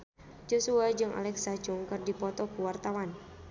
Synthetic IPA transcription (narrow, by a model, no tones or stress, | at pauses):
d͡ʒosuad͡ʒɨŋʔa̰lɛksad͡ʒʊŋkɨrdipɔt̪ɔkuwart̪awan